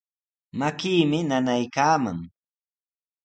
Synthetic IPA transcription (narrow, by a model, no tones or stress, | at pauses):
makiːmɪnanajkaːma̰ŋ